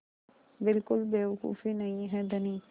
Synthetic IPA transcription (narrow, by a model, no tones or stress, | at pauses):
bɪlkʊlbeːʋəkṵːfinɐɦĩɦɛd̪əniː